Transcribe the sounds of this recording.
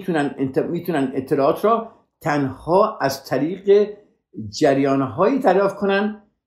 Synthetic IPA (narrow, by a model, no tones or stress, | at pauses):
t̪ʰunænd̪miːt̪ʰunænd̪et̪ʰːelɒːɒːt̪ʰrɒː | t̪ʰænhɒːʔæzt̪ʰæɾiːɢe | d͡ʒæɾjɒːnɦɒːiːd̪æɾjɒːft̪̚kʰonænd̪